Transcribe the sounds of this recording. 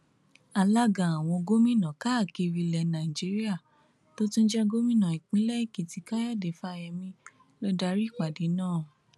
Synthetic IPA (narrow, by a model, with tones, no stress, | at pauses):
a˧la˦ɡã˨a˨w̃ɔ̃˧ɡo˦mĩ˦˨nã˨ka˦˨ke˧ɾi˧lɛ˧nã˨i˨d͡ʒi˨˦ɾi˦a˦˨ | to˦tũ˦n̩˦d͡ʒɛ˦ɡo˦mĩ˦nã˨i˨k͡pĩ˨˦lɛ˦i˦˨ki˨ti˨˧ka˦ja˦˨de˨fa˦˧jɛ˧mĩ˧˦ | lɔ˦da˧ɾi˦˨k͡pa˨de˨˦nãː˦˨